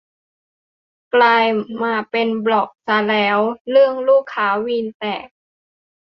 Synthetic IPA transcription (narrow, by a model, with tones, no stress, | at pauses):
klaː˧jmaː˧pe˧nblɔ˨˩k̚sa˧˦lɛː˦˥wlɯ˥˩əŋluː˥˩kʰːaː˦˥wiː˧nt̪ɛː˨˩k̚